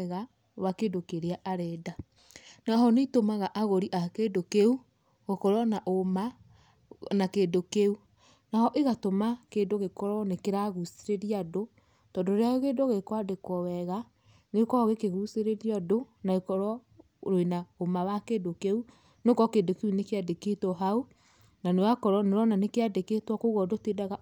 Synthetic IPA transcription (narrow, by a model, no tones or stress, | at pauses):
ɣa | wakedokeɾeaʔaɾɛda | naɦɔnetomaɣaʔaɣoɾiʔakedokeu | ɣokɔɾɔnaʔoma | nakedokeu | nahɔʔeɣatomakendoɣekɔɾɔnekeɾaɣuseɾeɾiado | tɔndoɾeaoɣedoɣekwadekwɔwɛɣa | nekɔɣekeɣuseɾeɾiɔdonaɣekɔɾɔ | ɾoenaomawakeːdokeu | nokɔkendokeunekeadeketɔɦau | nanewakɔɾɔneɾɔnanekeadeketwɔkoɣɔdoteːdaɣa